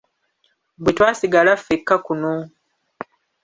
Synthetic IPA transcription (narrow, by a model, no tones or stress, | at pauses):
bwetwaːsiɡalafːekːakuno